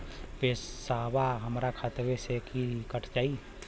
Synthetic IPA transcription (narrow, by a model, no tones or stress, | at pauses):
bessaːbaɦəmɾakʰat̪ʋesekʰikəʈʰt͡ʃaːi